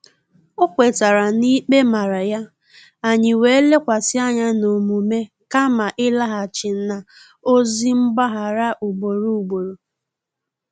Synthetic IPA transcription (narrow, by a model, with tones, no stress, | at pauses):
o˦kʷe˨ta˨ɾa˨ni˦k͡pe˦ma˨ɾa˨ja˦ | a˨ɲɪ˨we˨˦le˦kʷa˨sɪ˦a˦ɲa˦no˨mu˨me˦ | ka˦ma˨ʔɪ˦la˦ɦa˨t͡ʃɪ˨n̩˦na˨ | o˦zi˦ŋ͡m̩˦ɡ͡ba˦ɦa˨ɾa˦ʔu˨ɡ͡bo˨ɾu˦u˨ɡ͡bo˨ɾo˨